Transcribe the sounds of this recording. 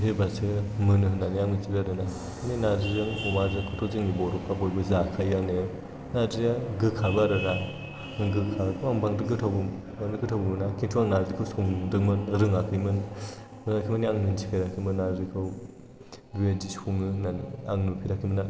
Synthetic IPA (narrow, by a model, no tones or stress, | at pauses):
ɦebasɯmɯnɯɦɯnaniaŋnɯtibiaɾɯna | ninadizɯŋumazɯkʰɯtʰɔzɯŋnibɔɾɔpʰabojbɯzakʰajane | nadijaɡɯkʰabɯaɾɯɾa | ɡɯkʰakʰuaŋbaŋdɯkɡɯtʰawbɯm | anɯɡɯtʰawbɯmɯnakʰintʰuaŋnadɾikʰɯwsoŋdɯŋmɯnɾɯŋakʰɯjmɯn | ɾɯŋakʰijmɯniaŋnɯnt͡ʃʰi̥kʰiɾakʰimɯnːaɾikʰɯw | uedisuŋɯnaaŋnupʰiɾakʰimɯna